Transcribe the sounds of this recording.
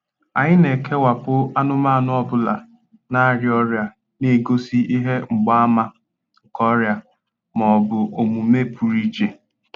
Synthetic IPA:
a˨ɲɪ˦ne˨kʰe˦wa˨pʊ˦a˦nʊ˦ma˦˨nʊ˦ɔ˦bʊ˦la˨ | na˦˨ɾjɔ˦ɾja˨ | ne˦˨ɡo˦si˦ʔi˦ɦe˦ŋ͡m̩˨ɡ͡ba˦a˦ma˦˨ | kɔ˦ɾja˨ | mɔ˨bʊ˨ʔo˨mu˨me˦˨pu˨ɾi˦t͡ʃe˨

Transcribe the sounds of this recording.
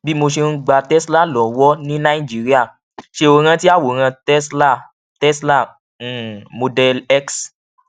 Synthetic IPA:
bi˦mo˧ʃe˧˦ɡ͡ba˧tɛ˦sla˦˨lɔ̃˨wɔ˦nĩ˦nã˦i˦˨d͡ʒi˦ɾi˦a˦˨ | ʃe˧o˧ɾ̃ã˧ti˦a˦˨wo˨ɾ̃ã˧tɛ˦sla˦˨ | tɛ˦sla˦˨˦ | mo˧dɛ˧lɛ˦ks

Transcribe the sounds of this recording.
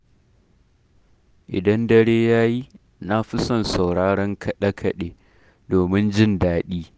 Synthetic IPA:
ʔɪ̰˨dɐ˦ndɐ˦ɽeː˦jaː˦ji˦ | na˦ɸɪ˦sɔ˦˨nsa˨wɽaː˦ɽɐ˦ŋkɐ˨ɗɐ˦kʰɐ˨ɗeː˨ | doː˨mɪ˦nd͡ʒɪ˦˨ndaː˦ɗiː˦

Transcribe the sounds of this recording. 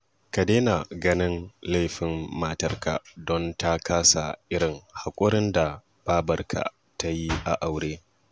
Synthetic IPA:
kɐ˨deː˦na˨ɡɐ˦nɪ˦nla˦˨jɸɪ˨mːaː˦tɐ˦rka̰˨dɔ˦nta˦kʰaː˦sa̰˨ʔɪ˦ɽɪ˨ŋha˨kʷʼʊ˦ɾɪ˦nda˨ | b̥aː˦bɐ˦rkʰa̰˨ | ta˦ji˦ʔa̰˨ʔa˨wɽeː˦

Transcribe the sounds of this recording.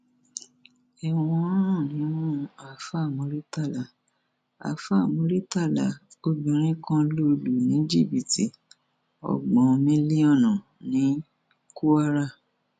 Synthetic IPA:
ɛ˨w̃ɔ̃˧˦ɾ̃ɔ̃˦˨nĩ˨˦nũ˦a˨fa˦˨mo˨˧˦ɾi˦ta˦˨la˨ | a̰˨fa˦˨mo˨˧˦ɾi˦ta˦˨la˨ | o˦bĩ˨ɾ̃ĩ˦kã˦lo˦lu˨nĩ˨˦d͡ʒi˦˨bi˨ti˨ | ɔ̰˨ɡ͡bɔ̃˨˧mĩ˦li˦ɔ˦˨nɔ̃˨ | nĩ˨˦ | ku˦a˦ɾa˦˨

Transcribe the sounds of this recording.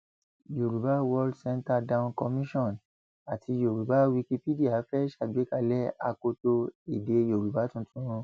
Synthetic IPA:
jo˨ɾu˨ba˦wɔ˧ldsɛ̃˦nta˧dã˧ũ˧nkɔ˧mĩ˦ʃɔ̃˦˨n | a˨tʰi˧jo˨ɾu˨ba˨˦wi˧ki˧pi˦di˦a˨˦fɛ˦ʃa˦˨ɡ͡be˨˦ka˧lɛ˦a˧ko˧to˧e˨de˨˦jo˨ɾu˨ba˨˦tũ˦˧tũ˦ɾ̃ũ˧

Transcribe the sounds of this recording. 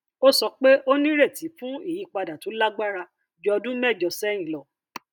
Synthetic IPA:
o˦sɔ˧k͡pe˦ʔo˦nĩ˦ɾe˦˨ti˨˦fũ˦i˦˨ji˨˦k͡pa˧da˨tũ˨˦la˦ɡ͡ba˦ɾa˧ | d͡ʒɔ˧ɔ˧dũ˦mɛ˦˨d͡ʒɔ˧˨sɛ˦j̃ĩ˨lɔ˨

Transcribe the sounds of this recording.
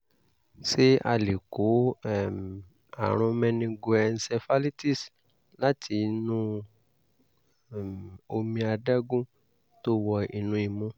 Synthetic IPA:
se˦a̰˧le˨ko˨˦ɛ˦˨m˨ | a̰˨ɾ̃ũ˧mɛ̃˧nĩ˧ɡo˧ɛ˧n̩˧sɛ˧fa˦li˦ti˦˨s | la˦tʰi˧˦nũ˦˨ | m˨o˧mĩ˧a˧da˦ɡũ˦ | to˦wɔ˧ḭ˨nũ˧˦i˨mũ˧˦

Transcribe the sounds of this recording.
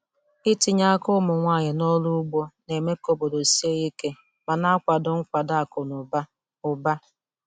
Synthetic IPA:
i˦ti˨ɲa˦kʊ˦mʊ˨ŋʷa˦˨ɲɪ˨nɔ˦lʊ˦ɡ͡bɔ˦ne˨me˦ko˦bo˨do˨si˦e˦i˦ke˦ | ma˨na˦kʷa˨dʊ˨ŋ̩˦kʷa˨da˦˨kʊ˨nʊ˨ba˦ | ʊ˨ba˦

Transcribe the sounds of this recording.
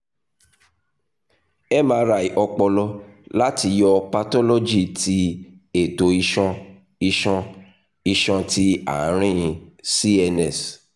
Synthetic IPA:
ɛ˦mãː˧˦ɾa˨i˨ʔɔ˧k͡pɔ˧lɔ˧la˦ti˧jɔ˧pa˧tɔ˦lo˦d͡ʒi˦˨tʰi˧˦ | e˨to˨i˧ʃɔ̃˧ | i˧ʃɔ̃˧ | i˧ʃɔ̃˧ti˧˦a̰˨˦ɾ̃ĩ˦˨si˦ɛ˧nɛ˦˨s

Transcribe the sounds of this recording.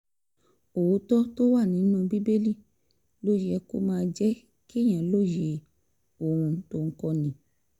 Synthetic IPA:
o˨wo˨˦tɔ˦to˦wa˦˨nĩ˨˦nũ˦˧bi˦be˦li˦˨ | lo˦ji˧ɛ˧ko̰˦mãː˧d͡ʒɛ˦ | ki˦˨j̃ã˨lo˦˨je˧˨ | o˨ɾ̃ũ˧to˧ŋ̩˦kɔ˧nĩ˨˦

